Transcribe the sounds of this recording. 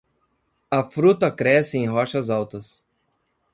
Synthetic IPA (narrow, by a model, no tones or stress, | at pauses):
ɐfɾut̪ɐkɾɛsɪẽj̃ɦɔʃɐzawt̪ɐs